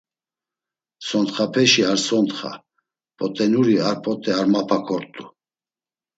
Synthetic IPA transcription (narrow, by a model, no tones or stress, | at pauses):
sɔnt̪χapʰɛʃiaɾsɔnt̪χa̰ | pʰʼɔt̪ʼɛnuɾiaɾpʰʼɔt̪ʼɛaɾmapʰakʰɔɾt̪ʼu